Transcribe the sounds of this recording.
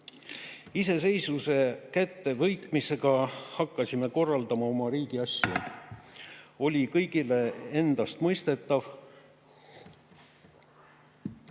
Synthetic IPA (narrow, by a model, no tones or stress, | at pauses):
ise̞se̞jsuse̞kæt̪ːe̞vɤjkmise̞ɡ̥ɑhɑkːɑsime̞ko̞rːɑld̪ɑmɑo̞mɑɾiːɡ̥iɑsjɑ̰ | o̞lʲikɤjɡile̞e̞nd̪̥ɑst̪mɤjst̪e̞t̪ːˑɑv